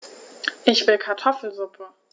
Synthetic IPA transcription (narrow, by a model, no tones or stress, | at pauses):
ʔɪçv̥ɪlkʰaɐtʰɔfl̩zʊpʰə